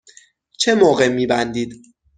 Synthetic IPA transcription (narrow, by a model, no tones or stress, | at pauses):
t͡ʃʰemoɣemːiːbænd̪iːd̪̥